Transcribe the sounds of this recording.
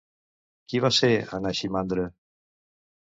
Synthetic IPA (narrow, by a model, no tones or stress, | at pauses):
kiβaseanaʃimand̪ɾə